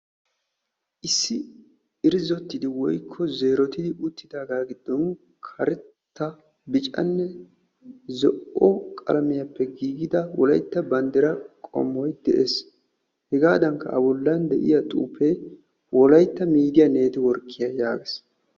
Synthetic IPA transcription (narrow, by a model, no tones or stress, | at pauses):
ʔɪsːɪ | ɪɾɪzɔt̪ːɪd̪ɪwɔjkʰːɔze̞ːɾɔt̪ɪd̪ɪʊt̪ːɪd̪aːɡaːɡɪd̪ːɔn | kʰɐɾɛt̪ːɐ | bɪt͡ʃʼɐ̰nːɛ | zɔʔɔkʼɐ̰lɐmɪjɐpːɛɡiːɡɪd̪ɐwɔ̰lɐjt̪ːɐbɐnd̪ɛɾɐkʼɔ̰mːɔjd̪ɛʔes | hɛɡaːd̪ɐŋkːɐ̰ɐbɔlːɐnd̪ɛʔɪ̰jɐt̪ʼuːpːej | wɔlɐjt̪ːɐmiːd̪ɪjɐne̞ːt̪ɪwɔɾkːɪjɐjaːɡes